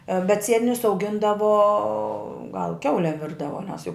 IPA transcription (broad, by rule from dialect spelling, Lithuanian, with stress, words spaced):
bʲɛt ˈsʲiɛtʲɪnʲʊs ɐʊˈɡʲɪndɐʋoː ɡɐlˠ ˈkʲɛʊlʲɛm ˈʋʲɪrdɐʋoː nʲɛs jɛʊ